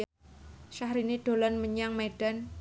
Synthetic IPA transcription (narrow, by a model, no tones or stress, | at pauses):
ʃahɾiniɖ̥o̤lɔnməɲaŋmeɖ̥an